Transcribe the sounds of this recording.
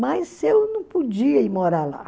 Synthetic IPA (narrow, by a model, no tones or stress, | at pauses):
mɐjzewnɐ̃w̃pud͡ʒiɐimoɾala̰